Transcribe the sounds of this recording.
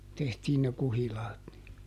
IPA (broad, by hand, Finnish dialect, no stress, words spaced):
tehtiːn ne kuhilɑːt ni